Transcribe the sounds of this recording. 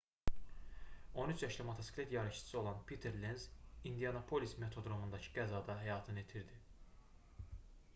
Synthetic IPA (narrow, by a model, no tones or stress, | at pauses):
o̞nyt͡ʃʰjɑʃlæmot̪ʰosklet̪jɑɾɯʃʰɯ̥sɯo̞lˠɑnpʰit̪ʰeɾlenzind̪ijɑnopʰo̞lisme̞t̪ʰo̞d̪ɾo̞mund̪ɑcʰɯ̥ɡæzɑd̪ɑɦæjɑːt̪ʰɯnet̪ʰiɾd̪i